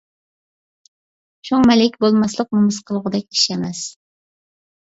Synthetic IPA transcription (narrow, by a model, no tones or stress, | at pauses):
ʃʰoŋmɛlɪkʲbolˠmɑslˠəq̚mumɨsqʰəlˠəʁəd̪ɛkʲi̥ʃɛmɛs